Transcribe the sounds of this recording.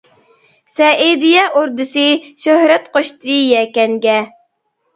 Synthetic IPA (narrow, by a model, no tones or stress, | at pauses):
sɛʔed̪ijɛʔoɾd̪ɨsɨʃøhɾɛt̪qoʃt̪ɾijɛkʲɛŋɡʲɛ